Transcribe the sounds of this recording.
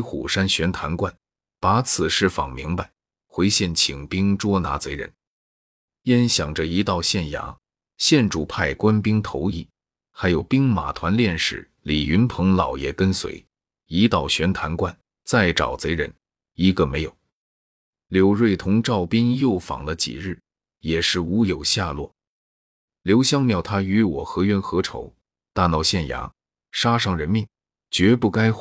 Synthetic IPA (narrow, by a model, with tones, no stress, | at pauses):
xṵ˨˩ʂa˥nɕɥɛ˧˥nt̪ʰa˧˥nkwa˥˩n | pa˧˥t͡sʰɹ̩˨˩ʂɻ̩˥˩fɑ̰˨˩ŋmi˧˥ŋpa˧ɪ | xwe˧˥ɪɕjɛ˥˩nt͡ɕʰi˨˩ŋpi˥ŋʈ͡ʂwɔ˥na̰˧˥t͡se˧˥ɪɻə̰˧˥n | jɛ˥nɕjɑ˨˩ŋʈ͡ʂə˧i˧˥t̪ɑ˥˧ʊɕjɛ˥˩nja̰˧˥ | ɕjɛ˥˩nʈ͡ʂu˨˩pʰa˥˩ɪkwa˥npi˥ŋt̪ʰo˧˥ʊi˥˩ | xa˧˥ɪjo˨˩ʊpi˥ŋma̰˨˩t̪ʰwa˧˥nljɛ˥˧nʂɻ̩˥˩ | li˨˩y˧˥npʰɤ˧˥ŋlɑ˨˩ʊjɛ˨˩kə˥nswḛ˧˥ɪ | i˧˥t̪ɑ˨˩ʊɕɥɛ˧˥nt̪ʰa˧˥nkwa˥˩n | t͡sa˥˩ɪʈ͡ʂɑ̰˨˩ʊt͡se˧˥ɪɻə̰˧˥n | i˧˥ɡə˧me˧˥ɪjo˨˧˩ʊ | ljo˧˥ʊɻwe˥˩ɪt̪ʰʊ˧˥ŋʈ͡ʂɑ˥˩ʊpi˥ŋjo˥˩ʊfɑ̰˨˩ŋlə˦t͡ɕḭ˨˩ɻɻ̩˥˩ | jɛ˨˩ʂɻ̩˥˩u˧˥jo˨˩ʊɕja˥˧lwɔ̰˥˩ | ljo˧˥ʊɕjɑ˥ŋmjɑ˥˩ʊt̪ʰa˥y˧˥wɔ˨˩xɤ˧˥ɥɛ˥˩nxɤ˧˥ʈ͡ʂʰo̰˧˥ʊ | t̪a˥˧nɑ˥˧˩ʊɕjɛ˥˩nja̰˧˥ | ʂa˥ʂɑ˥˩ŋɻə˧˥nmi˥˩ŋ | t͡ɕɥɛ˧˥pu˥˩ka˥ɪ